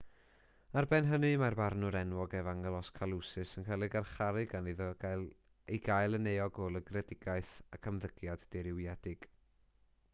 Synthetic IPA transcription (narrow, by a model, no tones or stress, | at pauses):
arbɛnɦənɨmarbarnʊɾɛnwɔɡɛvaŋɛlˠɔskʰalˠusɨsənkʰɛlˠɪɡarχaɾɨɡaniðɔ̥al | eɡajlˠənejɔɡolˠəɡrɛdɪɡaɨθakʰəmðəɡ̥jadːɛɾɪwjadɪɡ̥